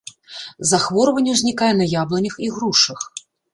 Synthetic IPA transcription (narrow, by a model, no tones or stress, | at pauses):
zaxvɔɾɐvɐnʲːɛwzʲnʲikajɛnɐjablˠɐnʲɐxiɣɾuʂɐx